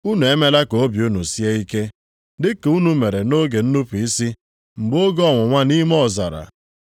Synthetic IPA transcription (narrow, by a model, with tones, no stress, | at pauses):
u˦nu˨e˦me˦la˦ko˨o˦bju˦nu˨si˦e˦i˦ke˦ | dɪ˦ke˨u˦nu˦me˨ɾe˨no˦ɡe˨n̩˦nu˦pi˦si˦ | m̩˨ɡ͡bo˦ɡɔ˦˨ŋʷʊ˨ŋʷa˦ni˦m˦ɔ˦˨za̰˨ɾa̰˨